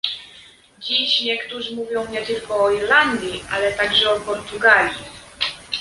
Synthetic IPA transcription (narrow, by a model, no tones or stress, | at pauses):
d͡ʑiɕɲɛkt̪uʐɘmuvʲjɔ̃w̃ɲɛt̪ɘlkɔːiɾland̪ʲjiʔalɛt̪aɡʐɛɔpɔɾt̪uɡalʲi